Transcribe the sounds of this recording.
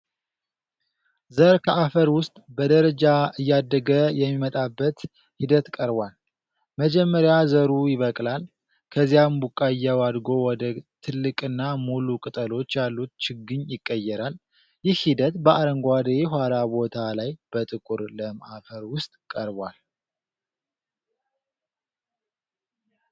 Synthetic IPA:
zəɾkʰəʔafəɾwʊst̪ʼbəd̪əɾəd͡ʒaɨjːad̪ːəɡəjɛmːimət̪ʼabːət̪ | hid̪ət̪kʼəɾbwal | məd͡ʒɛmːəɾjazəɾujɪβəkʼlal | kʰəzijambukʼːaɨjːɛwad̪ɡo̞wɔd̪ət̪ʰɨlːɨkʼɨnːamulukʼɨt̪ʼəlo̞t͡ʃːjalːut̪̚t͡ʃɪɡɨɲjɪkʼːəjːɛɾal | jɪhhid̪ət̪bəʔaɾəŋɡʷad̪eɦʷwalabo̞t̪ʰalajb̥ət̪ʼɨkʼuɾləmaʔafəɾwʊst̪ʼkʼəɾbwal

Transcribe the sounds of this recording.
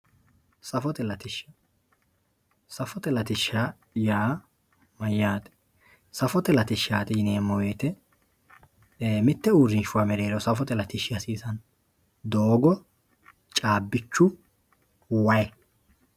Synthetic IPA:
sɐfɔt̪ɛlɐt̪ɪʃːɐ | sɐfɔt̪ɛlɐt̪ɪʃːa | jaː | mɐjːaːt̪ɛ̥ | sɐfɔt̪ɛlɐt̪ɪʃaːt̪ɪjɪneːmːɔweːt̪ɛ | mɪt̪ːɛuɾɪnʃʊwaːmɛɾeːɾɔsɐfɔt̪ɛlɐt̪ɪʃɪɐsiːsɐn | d̪oːɡɔ | t͡ʃʼaːbːɪt͡ʃːʊ | wɐjɛ

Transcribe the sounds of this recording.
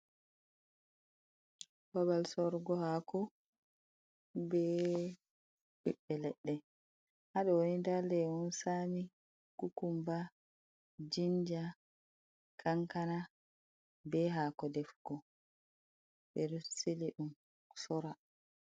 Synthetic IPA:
babalsɔɾɡɔhaːkɔ | bɛ | ʔiɓːɛlɛɗːɛ | haɗɔwonindalɛwɔnsami | kukumba | d͡ʒind͡ʒa | kʰaŋkana | bɛɦaːkɔdɛfɡ̥ɔ | bɛɾseliɗum | sɔɾa

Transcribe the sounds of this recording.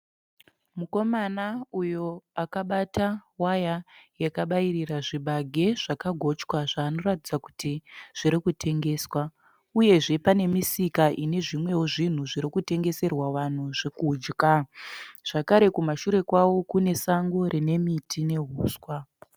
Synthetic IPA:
muko̞manaujo̞akaɓatawajajakaɓairiraʐiɓaɡʱe̞ʐ̥akaɡʱo̞t͡ʃkwaʐaːno̞ɾatid͡zaku̥tiʐ̥iɾikutʰe̞ŋɡe̞ːswa | uje̞ʐe̞pane̞misikaʔine̞ʐimwe̞woʐin̤uʐiɾikute̞ŋɡe̞se̞rwaʋan̤uʐikud͡ʒka | ʐ̥akaɾe̞kumaʃuɾe̞kwawo̞kune̞saŋɡo̞ɾʔine̞mitine̞ɦuːswa

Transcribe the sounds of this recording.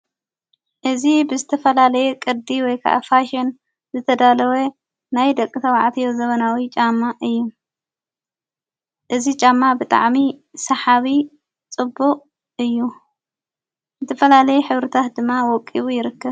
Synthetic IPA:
ʔɨzibɨzɨt̪ʰɐfɐlalɐjɛkʼɨɾd̪iwɔjkʰa̰ʔfaʃen | zɨt̪ʰɐd̪alɐwe | najd̪ɐkʼɨt̪ʰɐwaʕt̪ʰijozɐβɐnawit͡ʃʼamːaʔɨjːu | ʔɨzit͡ʃʼamːabɨt̪ʼa̰ʕmisɐħaβi | t͡sʼɨbːuqʼ | ɨjːu | zɨt̪ʰɐfɐlalɐjɛħɨβɾɨt̪ʰat̪d̪ɨmːawɔkʼːiβujɪɾɨkːɐβ

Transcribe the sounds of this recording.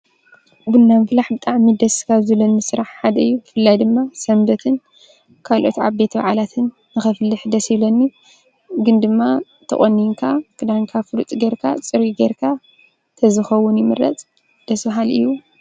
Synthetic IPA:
bɨnːamflaħbɨt̪ʼaʕmːɨd̪ɐskʰaβzɨlɐnːɨsɨɾaħħad̪ɐɨjːufɨlːajd̪ɨmːasɐmbɐt̪ʰɨn | kʰalʔo̞t̪a̰βbe̞t̪ba̰ʕalat̪ʰɨnːɨxɐflːɨħd̪ɐsilɐnːu | ɡɨnd̪ɨmːa | t̪ʰɐ̰ʔʼonːiŋkʰakʰɨd̪aŋkʰafɨlut̪ʼɡeɾkʰa̰t͡sʼɨɾiɡeɾkʰa | t̪ʰɐzɨxɐwːʊnjɪmɨɾɐ̰t͡sʼ | d̪̥ɐsbaɦalʔɨ̰jːu

